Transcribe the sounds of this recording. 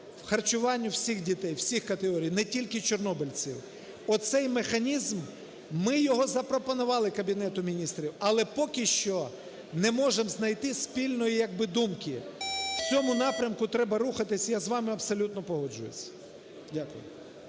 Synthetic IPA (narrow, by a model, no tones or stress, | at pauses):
wxɐrt͡ʃʊʋɑnʲːʊwsʲixdʲit̪ɛjwsʲixkɐt̪eɦɔɾʲijnɛtʲilʲkɪt͡ʃɔrnɔbɪlʲt͡sʲḭw | ɔt̪sɛjmexɐnʲizmː | ɪjɔɦɔzɐpɾɔpɔnʊʋɑlˠɪkɐbʲinɛt̪ʊmʲinʲist̪ɾʲiwɐlˠɛpɔkɪʃt͡ʃɔ | nɛmɔʒemznɐjt̪ɪsʲpʲilʲnɔjijɐɡ̚bɪd̪umkɪwt͡sʲɔmʊnɑpɾʲɐmkʊt̪ɾɛbɐɾuxɐt̪ɪsʲɐjazʋɑmɪɐbsɔlʲut̪̚nɔpɔɦɔd͡ʒʊjḛt͡sʲːɐ̥ | dʲakʊ̰jʊ̰